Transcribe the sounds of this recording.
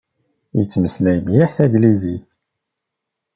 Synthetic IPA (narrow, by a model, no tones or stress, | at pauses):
jə̰t͡sːməslæjmjaħθæɡliziθ